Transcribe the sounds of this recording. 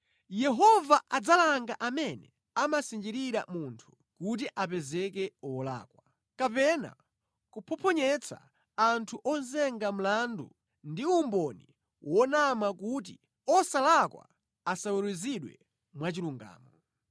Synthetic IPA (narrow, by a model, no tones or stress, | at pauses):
jɛɦɔvaʔad͡zalaŋɡaʔamɛnɛ | amasind͡ʒiɾiɾa̰muntʰu̥ | kut̬iʔapɛzɛkɛɔla̰ːkwa | kapɛna̰ | kupʰɔpʰɔɲɛt͡sa̰ | antʰuʔɔnzɛŋɡam̩landṵ | ndiumbɔni | wʔɔnamakut̬i | ɔsalakwa̰ | asawuɾwiziɗwɛ̰ | mwat͡ʃiluŋɡa̰ːmɔ